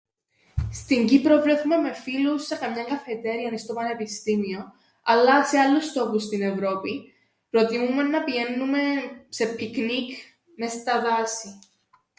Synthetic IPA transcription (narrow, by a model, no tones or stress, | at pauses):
st̪iɲɟipɾo̞vɾe̞θume̞me̞filusːe̞kɐmɲɐŋɡɐfe̞t̪e̞ɾiɐnist̪o̞pɐne̞pist̪imio̞ | ɐlːɐse̞ɐlːust̪o̞pust̪ine̞vɾo̞pi | pɾo̞t̪imume̞nːɐpiʝe̞nːume̞se̞pʰiknik | me̞st̪ɐðɐsi